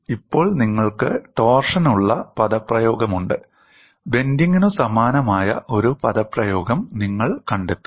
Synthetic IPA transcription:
ipːo̞ːɭniŋːɐɭkɨt̪o̞ːrʂɐnuɭːɐpɐðɐpːrɐjo̞ːɡɐmuɳɖɨ | be̞nd̪iŋːunusɐmaːnɐmaːjɐ̰ʔo̞ɾupɐðɐprɐjo̞ːɡɐmniŋːɐɭkɐɳɖet̪ːu̥

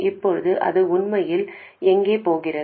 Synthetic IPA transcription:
ʔɪpːɔɻɯðɯʔɐ̰ðɯʊɳmɐjɪlɛŋɡeːpoːɣɪrɐ

